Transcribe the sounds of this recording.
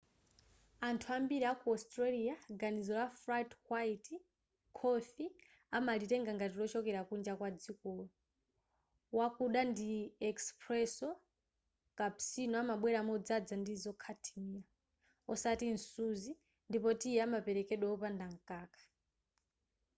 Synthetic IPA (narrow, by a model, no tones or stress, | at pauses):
antʰuambiɾiakuɔstɾaliaɡanizɔlafɾathwaiti | kʰɔfi | amalitɛŋɡaŋɡatilɔt͡ʃɔkɛɾakund͡ʒakwad͡zikɔːlɔ | wakuɗandiɛkspɾɛsɔ | kapsinɔamaɓwɛɾamɔd͡zad͡zandizɔkʰatʰimia | ɔsatin̩suzi | ndipɔtiɛamapɛɾɛkɛɗwɛɔpandaŋkʼaːkḁ